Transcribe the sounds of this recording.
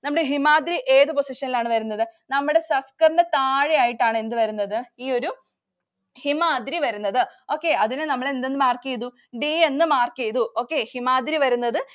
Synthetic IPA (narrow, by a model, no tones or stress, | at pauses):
nɐmːuɽeɦimaːd̪ɾiʔe̞ːðɨpo̞siʂɐnilaːɳɨʋɐɾunːɐðɨnɐmːuɽe̞sɐskɐrnɳɖet̪aːɻijaːjiʈːaːɳɨe̞nd̪ɨʋɐɾunːɐðɨiːo̞ɾu | himaːd̪ɾiʋɐɾunːɐðɨo̞ːkːe̞ɐðinɨnɐmːɐɭe̞nd̪enːɨmaːrkijɐðu | ɖienːɨmaːrkijɐðuo̞ːkːe̞himaːd̪ɾiʋɐɾunːɐðɨ